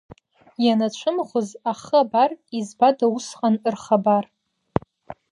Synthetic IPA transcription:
janat͡ʃʷʰɨmχʷʊzaχabarizbadausqʼanɨrχabar

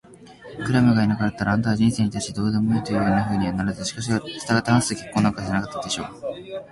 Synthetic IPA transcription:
kɯ̟ɾamɯ̟ɡainakaɾat̪ːaɾaãnd̪aːʑĩse̞ːɲ̟it̪aiid̪o̞ːd̪e̞mo̞iːt̪o̞jɯhɯnːaɸɯ̟ːɲ̟iβanaɾazɨɕi̥kaɕiɡasɨ̥t̪aɡat̪ːãsɨːkʲekːo̞ːnːaŋkaʑenakat̪ːad̪eɕo̞ː

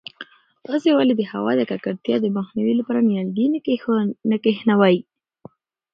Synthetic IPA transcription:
t̪ɑsewaled̪əhawɑ̰d̪əkakaɾt̪jɑd̪əmaxniwilapɑɾanijalɡi | nəkehnawaji

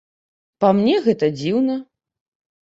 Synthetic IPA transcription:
pamnʲɛɣɛt̪ɐd͡zʲiwnɐ

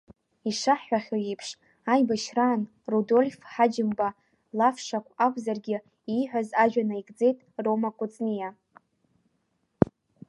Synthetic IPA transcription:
iʂaħːʷaχʲojipʰʂ | ajbaʃraːn | rudo̞lʲfħad͡ʒɪmba | lafʂakʷʰakʷʼzarɡʲɪ | iħᶣʷazaʒᶣanaiɡʼd͡ze̞jtʼro̞makʷʼʊt͡sʼnija

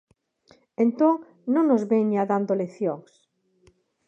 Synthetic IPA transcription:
ẽnt̪oŋ | nõŋnozβeɲaðand̪oleθjoŋs

